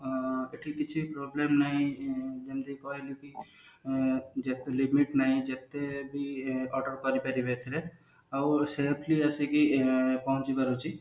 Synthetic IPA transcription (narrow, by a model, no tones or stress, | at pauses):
eʈʰikit͡ʃʰipɾoblemnaĩd͡ʒemd̪ikɔɦeljuki | d͡ʒet̪elimiʈnaĩd͡ʒet̪ːebʱiɔʈəɾkɔɾipɛɾibʱet̪ʰile | auselpʰliəsikipɔɦũt͡ʃibəɾut͡ʃi